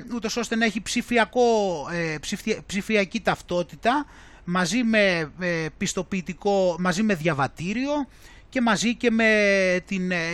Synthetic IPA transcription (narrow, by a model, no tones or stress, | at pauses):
ut̪o̞so̞st̪e̞nɐeçipsifiɐko̞epsifpsifiɐcit̪ɐft̪o̞t̪it̪ɐ | mɐzime̞pist̪o̞piːt̪iko̞mɐzime̞ðʝɐvɐt̪iɾio̞ | ce̞mɐzice̞me̞t̪in